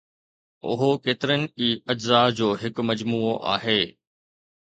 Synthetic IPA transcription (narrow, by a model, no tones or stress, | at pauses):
ʊ̰ɦokeːt̪ɪɾənɪ̆iːɐd͡ʑzad͡ʑoːɦɪkmɐd͡ʑmuːoʔa̰ːɦeː